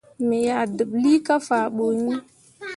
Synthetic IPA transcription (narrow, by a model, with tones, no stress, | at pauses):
me˨ja˨də˨bli˦ka˦fa˨ɓo˨ɲi˦